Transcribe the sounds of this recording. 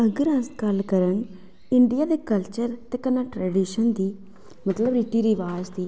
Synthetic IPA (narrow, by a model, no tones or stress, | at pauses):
əɡəɾə̃skəlkəɾən | ɪɳɖijaːd̪eːkəlt͡ʃəɾt̪eːkənaːʈɾɛːɖiːʃənd̪iː | mət̪ləbɾɪʈːiːɾiʋaːd͡ʒd̪iː